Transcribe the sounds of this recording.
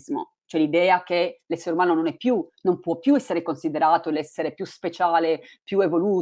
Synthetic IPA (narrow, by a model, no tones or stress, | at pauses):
zmo̰ | t͡ʃoɛlid̪ɛːakelɛsːeɾeumaːnononɛpːjunompwɔpːjuɛsːeɾekonsid̪eɾaːt̪olɛsːeɾepjuspet͡ʃaːlepjuevoluː